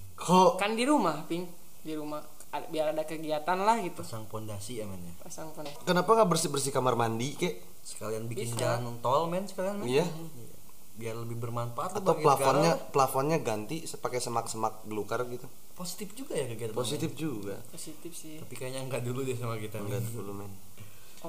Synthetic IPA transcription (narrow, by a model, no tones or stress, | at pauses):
kʰoʔkandiɾumahpɪŋ | diɾumah | biaɾadakəɡiat̪anlahɡit̪uasaŋfɔndasiamɛnjapasaŋponakənapaŋaʔbərsibərsikamarmandikaʔ | sə̥kalianbikɪnɡant̪ɔlmɛnsə̥kalianmɛija | a̰ | biarləbɪhbərmanfaʔt̪at̪awlafɔnɲapəlafɔnɲaɡant̪isəpakɛsəmak̚səmak̚blukarɡit̪u | posi̥t̪ɪfd͡ʒuɡajakəɡiat̪aposit̪ɪfd͡ʒuɡa̰posit̪ɪfsit̪apikajaɲaŋɡaʔduludasamakit̪aɡandulumɛn